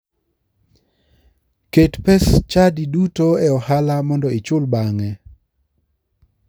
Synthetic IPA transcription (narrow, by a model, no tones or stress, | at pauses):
ketpɛst͡ʃadidutoɛɔhalamɔndɔɪt͡ʃʊlbaŋɛ